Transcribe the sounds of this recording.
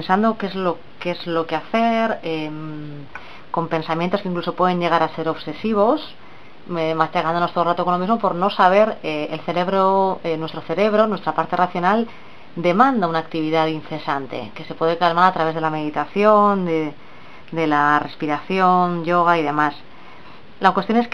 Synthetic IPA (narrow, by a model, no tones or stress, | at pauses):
nsand̪o̞kezlo | keezlo̞keaθe̞ɾem | ko̞mpe̞nsamjẽnt̪oskeiŋkluso̞pwe̞ð̞e̞ɲʝe̞ɣ̞aɾase̞ɾo̞βse̞siβo̞s | emat͡ʃakand̪onot̪orat̪okonlo̞mizmo̞po̞ɾno̞saβ̞e̞ɾeelθe̞ɾe̞βɾoenwe̞st̪ɾoθe̞ɾe̞β̞ɾonwe̞st̪ɾapaɾt̪e̞rʔaθjo̞nal | d̪e̞mãnd̪aunaːkt̪iβ̞iðaðinθe̞sant̪e̞̰ke̞se̞pwe̞ðe̞kalmaɾat̪ɾaβe̞zðelame̞ðit̪aθjo̞nd̪e | d̪e̞lare̞spiɾaθjo̞nʝo̞ɣ̞aiðe̞mas | lakwet̪jo̞ne